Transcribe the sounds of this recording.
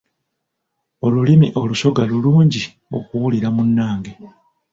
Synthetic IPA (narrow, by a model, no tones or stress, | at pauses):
o̞lulimiʔo̞luso̞ɡaluluːɲɟi | o̞̰kuwuliɾamunːaːŋɡe